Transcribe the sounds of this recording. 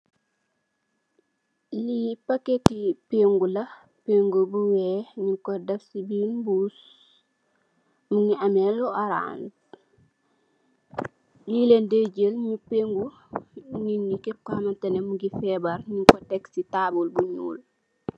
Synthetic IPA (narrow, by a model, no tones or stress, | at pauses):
lipaketipeŋɡulɐ | peŋɡubuwɛɲiŋkɔdɐfsibilbuːs | muŋiɐmɛlːɔʔaɾa̰ːn | nilendeɟəlɲupeŋɡu | ɲinikɛp̚kɔhɐmɐntɐnemuŋɡifɛbɐɾɲiŋkɔtɛksitaːbulbuɲṵːl